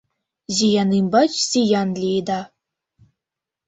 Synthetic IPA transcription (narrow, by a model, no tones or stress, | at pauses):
zijɑnimbɑt͡ɕsʲijɑnlʲid̪ɑ